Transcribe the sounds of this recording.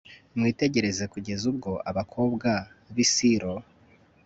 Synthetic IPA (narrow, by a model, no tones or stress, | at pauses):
mŋiːte̞ɟe̞ɾe̞ze̞kuɟe̞zub̚ɡo̞ʔaβakʰo̞ːbɡaβisiɾo̞